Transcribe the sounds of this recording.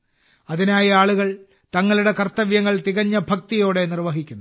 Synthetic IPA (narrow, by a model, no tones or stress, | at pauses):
ɐðinaːjɐaːɭuɣɐɭ | t̪ɐŋːɐɭuɽe̞kɐrt̪ɐʋjɐŋːɐɭt̪iɣɐɲːɐbʱɐk̚t̪ijo̞ːɽe̞nirʋɐɦikʲːunː